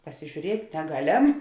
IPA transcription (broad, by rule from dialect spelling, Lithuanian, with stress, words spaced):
pɐsʲɪʒʲuːˈrʲiɛtʲ nʲɛˈɡɑːˌlʲɛm